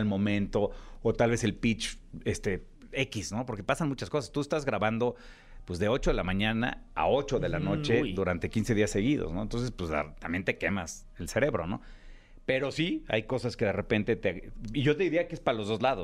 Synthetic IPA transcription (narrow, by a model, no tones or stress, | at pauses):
lmõ̞mẽ̞nt̪o̞ot̪alβese̞lpit͡ʃest̪e̞ | e̞kisno̞po̞ɾke̞pasanmut͡ʃasko̞sast̪ue̞st̪azɣɾaβand̪o̞ | pwezðe̞o̞t͡ʃo̞ðelamãɲãna̰a̰o̞t͡ʃo̞ðe̞lano̞t͡ʃe̞ðuɾant̪e̞kinse̞ðiasːe̞ɣiðo̞̰snoent̪o̞nsespwesla̰t̪ambje̞nt̪eke̞mas | else̞ɾe̞βɾo̞̰no̰ | pe̞ɾo̞sia̰jko̞saske̞ð̞e̞re̞pe̞nt̪et̪eiʝo̞t̪eðiɾiakeespaalo̞zðo̞zlaðo